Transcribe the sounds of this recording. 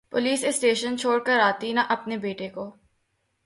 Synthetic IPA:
pʊliːsɪsʈeːʃənt͡ʃʰoːɽkəɾaːt̪inɐʔɐpnebeːʈekoː

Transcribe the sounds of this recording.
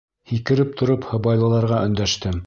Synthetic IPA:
hikɘ̆ɾɘp̚t̪ʰŏɾophɤ̆bɑjlˠɤ̆lˠɑɾʁɑʔɵ̆nd̪æʃt̪ɘm

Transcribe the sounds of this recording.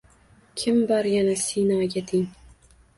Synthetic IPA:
kʲʰɪmbaɾjanasinɒɡʲat̪ʰɪŋ

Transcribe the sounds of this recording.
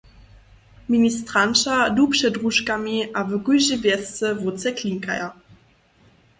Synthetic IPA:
minʲist̪ɾant͡ʃadupʂɛdʁuʃkamʲiʔavɘɡuʒivʲjɛst̪t͡sɛvot̪t͡s̪ɛklʲiŋka̰ja

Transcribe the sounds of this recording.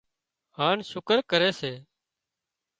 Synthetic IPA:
haːnʃʊkəɾkəɾeːseː

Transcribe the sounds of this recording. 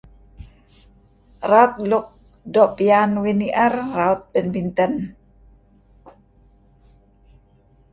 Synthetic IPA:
raut̪̚lʊk̚ | dɔʔpianwiniʔərːaut̪̚bɛnbint̪ən

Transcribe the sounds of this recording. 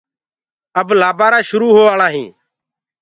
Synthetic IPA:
əblaːbaːɾaːʃʊɾuːɦoːʋaːɭãːɦĩː

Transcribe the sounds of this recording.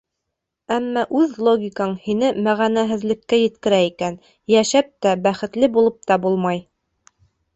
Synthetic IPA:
æmːɑʔʉðlˠoɡʲikɑɴhinɘmæʁænæɦɘ̆ðlɘ̆kːæjɘ̆t̪kɘ̆ɾæikæn | jæʃæp̚t̪æbæχɘ̆t̪lɘbulˠɤp̚t̪ɑbulˠmɑj

